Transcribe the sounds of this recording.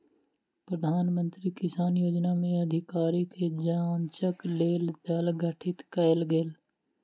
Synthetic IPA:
pɾəd̪ʱaːnmə̃nt̪ɾikɪsaːnjoːd͡ʒnamẽɐd̪ʱɪkaːɾiked͡ʒaːnt͡ʃəkleːld̪ɐlɡʱəʈʰɪt̪kɐɪlɡeːl

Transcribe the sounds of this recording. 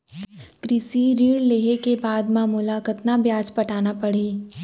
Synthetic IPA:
kɾɪsiɾiːɽleːɦekebaːd̪mãmʊlakət̪nabjaːd͡ʒpɐʈaːnapɐɽ̤iː

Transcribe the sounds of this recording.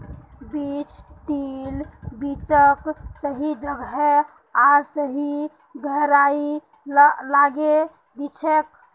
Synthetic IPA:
bit͡ʃʈilbit͡ʃəksəɦid͡ʒəɡɦɛ | aɾsəɦi | d̪ʱəɦɾai | laɡe | d̪it͡ʃʰek

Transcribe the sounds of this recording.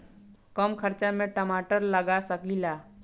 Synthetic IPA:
kəmkʰəɾt͡ʃamẽʈəmaːʈəɾləɡasəklilaː

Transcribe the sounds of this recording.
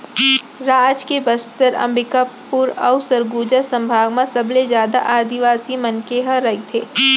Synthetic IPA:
ɾaːd͡ʒkebəst̪əɾɐ̰̃mbɪkəpː | uɾɐ̰ʊsəɾɡuːd͡ʒəsɐ̃mbʱaːɡmãsɐblezjaːd̪a̰ʔaːd̪iʋaːsimɐnkeɦəɾɐɦit̪ʰeː

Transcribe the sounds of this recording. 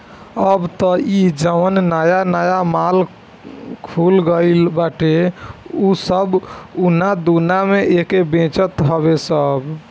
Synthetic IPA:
əbt̪ɔid͡ʒəʋənnajanajamal | kʰulɡəɪlbaʈeusəbunad̪unameʔekebẽt͡ʃət̪ɦɔbesəb

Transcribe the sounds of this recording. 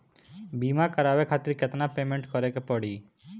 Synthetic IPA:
bimakəɾaʋekʰat̪iɾket̪napemeɳʈkɔɾekepɔɽi

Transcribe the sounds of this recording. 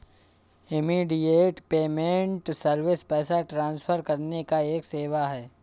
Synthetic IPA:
ɪmiːɖieːʈpeːmẽɳʈsɐɾʋɪspɛːsaʈɾãːnsfʰəɾkɐɾnekaeːkseːʋaɦɛː

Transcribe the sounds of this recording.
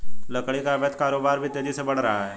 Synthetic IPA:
ləkɽikabet̪kaɾobaɾbʱit̪ed̪iːsəbəɽɾəɦaɦɛ

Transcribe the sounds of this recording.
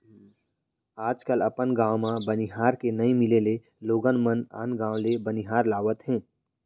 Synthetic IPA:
aːd͡ʒkəlɐpənɡãːwmãbəniɦaːɾkenɐĩmɪlele | loːɡənməna̰ːnɡãːwlebəniɦaːɾlaːʋət̪ɦɛ̃ː

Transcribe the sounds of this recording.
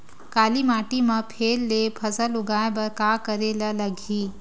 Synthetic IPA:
kaːlimaːʈimɐpʰeːlːepʰɐzəlʊɡaːjbɐɾkaːkəɾeːlalɐɡʱiː

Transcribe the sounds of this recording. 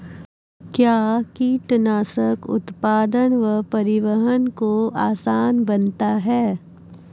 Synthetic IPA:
kjaːkiːʈnaːsəkʊ̰t̪paːd̪ənʋəpɐɾɪʋəɦənkoaːsaːnbɐnt̪aɦɛː

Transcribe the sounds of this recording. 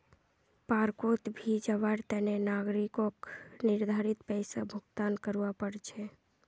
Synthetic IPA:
paɾkot̪bʱid͡ʒəβaɾt̪ənenaɡɾikokniɾd̪ʱaɾit̪pəjsabʱuɡt̪ankəɾuʋapəɽt͡ʃʰɛ

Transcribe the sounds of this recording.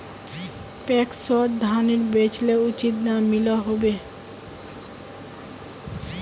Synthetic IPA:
pɛksɔd̪ʱaniɾbet͡ɕleut͡ɕit̪namːiloɦobe

